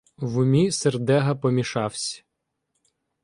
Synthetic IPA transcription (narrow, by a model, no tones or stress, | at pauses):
ʋʊmʲiserd̪ɛɦɐpɔmʲiʃɑwsʲ